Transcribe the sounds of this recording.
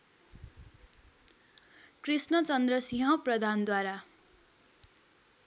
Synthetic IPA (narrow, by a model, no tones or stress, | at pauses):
krisnʌt͡sʌnd̪rʌsĩɦʌ̃prʌd̪ʱand̪waɾa